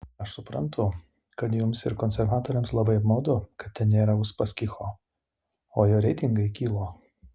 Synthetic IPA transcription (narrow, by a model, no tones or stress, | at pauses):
ɐʃsʊpɾɐnt̪ʰʊ | kɐt̪jʊmsɪɾkɔːnʲsʲɛɾʋɑːt̪oːɾʲɛmslˠɐbɐɪɐpmɐːd̪ʊkɐt̪̚ʲtʲɛnnʲeːɾɐʊʃpɐsʲkʲɪxoː | oːjoːɾʲɛɪt̪ʲɪŋɡɐɪkʲiːlˠoː